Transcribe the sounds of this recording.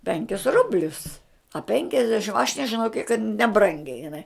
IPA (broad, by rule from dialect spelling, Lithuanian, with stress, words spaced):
ˈpʲɛŋʲkʲɪs ˈrʊbʲlʲʊs ɐ ˈpʲɛŋʲkʲɛzʲdʲɛʃʲɪm ɐʃ nʲɛʒʲɪˈnɐʊ kʲiɛk kɐt nʲɛˈbrɐŋʲɡʲɛɪ jɪˈnɐɪ